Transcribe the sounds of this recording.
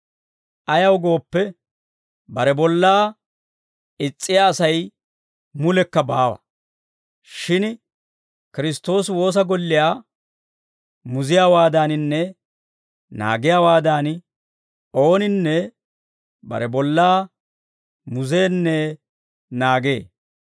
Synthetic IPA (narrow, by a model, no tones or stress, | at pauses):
ʔɐjɐwɡo̞ːpːɛ | bɐɾɛbɔlːaː | ɪt͡sʼːɪjaːsɐj | mʊlɛkːɐbaːwɐ̰ | ʃɪn | kɪɾɪst̪ːo̞ːswo̞ːs̬ɐɡɔlːɪjaː | mʊzɪjaːwaːd̪aːnɪnːɛ | na̰ːɡɪjaːwaːd̪aːn | o̞ːnɪnːɛ | bɐ̰ɾɛbɔlːaː | mʊze̞ːnːɛ | naːɡe̞̰ː